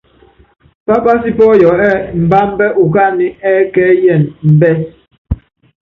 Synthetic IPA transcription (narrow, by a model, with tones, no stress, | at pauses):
pa˦pa˦s̬i˦pɔ˦jɔ˨ɛ˦˨m̩˨ba˦m˦bɛ˦ʔu˨ka˦ni˦ɛ˦kɛ˦jɛ˨nm̩˨bɛ˦s